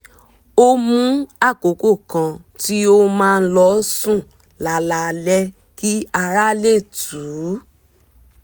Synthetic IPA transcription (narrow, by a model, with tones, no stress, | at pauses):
o˦mũ˦a˦˨ko˨˦ko˦˨kã˧ | ti˦o˦mãː˦˧n̩˦lɔ˧˦sũ˦˨ | la˨la˨lɛ˦ | ki˦a˧ɾa˦le˦˨tu˨˦